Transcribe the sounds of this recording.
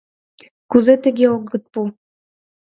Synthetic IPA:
kuzet̪ɘ̆ɡʲeoɡə̆t̪̚pu

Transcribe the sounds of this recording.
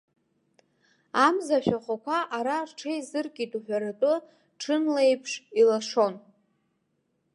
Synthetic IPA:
amzaʃᶣaχʷakʷʰaʔaɾarʈ͡ʂʰejzɨrkʼitʼuħʷᶣaɾatʼʊ | ʈ͡ʂʰɨnlejpʰʂilaʂo̞n

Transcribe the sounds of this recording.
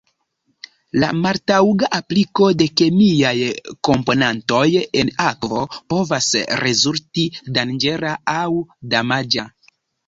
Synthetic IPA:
la̰maɾtawɡaʔapliko̞de̞ke̞miajko̞mpo̞nanto̞je̞nakvo̞po̞vasɾe̞zultidand͡ʒe̞ɾaawdamad͡ʒa

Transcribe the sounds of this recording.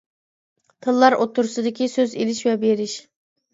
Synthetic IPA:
t̪ʰɨlˠːɑɾʔot̪ʰːʊɾsɨd̪ɪkʲʰisøzelɪʃvɛbeɾɪʃ

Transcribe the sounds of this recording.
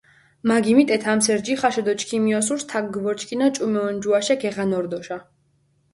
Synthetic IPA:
maɡimit̪ʼɛt̪ʰamsɛɾd͡ʒiχaʃɛd̪ɔt͡ʃkʰimiɔs̬uɾst̪ʰaɡɡvɔɾt͡ʃʰʼkʰʼinat͡ʃʼumɛɔnd͡ʒuaʃɛɡɛʁanɔɾd̪ɔʃa

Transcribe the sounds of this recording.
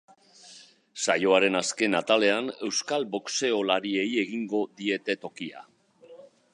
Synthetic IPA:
sajo̞aɾe̞naske̞nat̪ale̞ane̞wskalbokse̞o̞laɾie̞je̞ɣ̞iŋɡo̞ðie̞t̪e̞t̪o̞kia̰

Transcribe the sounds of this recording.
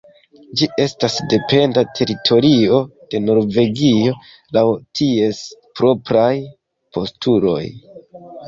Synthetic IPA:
d͡ʒiʔe̞stasde̞pe̞ndatʰe̞ɾitʰo̞ɾio̞d̥e̞no̞ɾve̞ɡio̞ | lawtʰie̞spɾo̞pɾaj | pʰo̞stulo̞̰j

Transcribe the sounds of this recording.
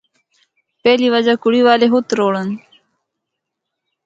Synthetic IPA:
peːliwad͡ʑakuɽiwaːleɦut̪ɾoːɽən

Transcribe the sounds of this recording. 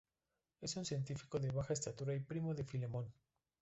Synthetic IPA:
e̞sunsje̞nt̪ifi̥ko̞ðe̞βaxaest̪at̪uɾaipɾimo̞ðe̞file̞mõ̞n

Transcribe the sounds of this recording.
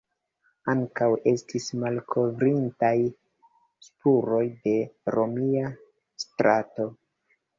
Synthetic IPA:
aŋkawʔe̞stʰismalkʰo̞vɾintaj | spuɾo̞jde̞ɾo̞mia | stɾato̞

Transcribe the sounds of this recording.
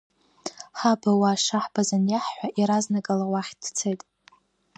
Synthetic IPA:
ħabawaːʂaħb̥azanjaħːʷaʔiɾaznaɡʼalawaħʲdt͡sʰejtʼ

